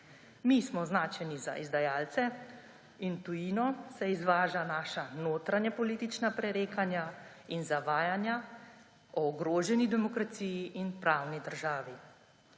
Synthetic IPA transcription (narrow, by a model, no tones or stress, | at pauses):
mismɔznaːt͡ʃɛniza̰ʔizd̪ajaːlt̪sɛ | int̪ujiːnɔsɛizʋaːʒanaːʃanoːt̪ɾanjɛpɔliːt̪it͡ʃnapɾɛɾeːkanja | inzaʋaːjanja | ɔːɡɾoːʒɛnid̪ɛmɔkɾat̪siːjiʔinpɾaːwnid̪əɾʒaːʋi